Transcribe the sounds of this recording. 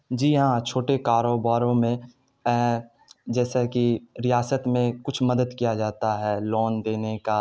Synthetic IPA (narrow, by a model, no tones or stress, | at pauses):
d͡ʒiːɦãt͡ʃʰoːʈekaːɾoːbaːɾõmẽ | d͡ʒɛːsekiɾɪjaːsət̪mẽkʊt͡ʃʰmɐd̪əd̪kijad͡ʒaːt̪aɦɛːlɔːnd̪eːneka